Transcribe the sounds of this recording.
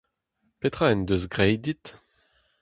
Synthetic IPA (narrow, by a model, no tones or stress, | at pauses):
pet̪χaɛnd̪øzɡʁɛjd̪it̪